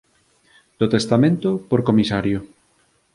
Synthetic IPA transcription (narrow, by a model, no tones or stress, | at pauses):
d̪̥ot̪est̪amẽnt̪opoɾkomisaɾjo